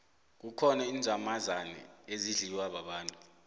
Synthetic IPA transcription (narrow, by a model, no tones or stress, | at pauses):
k̬ukʰɔnaind͡zʱamazanɛ̰eziɮiwaɓaɓaːntʼu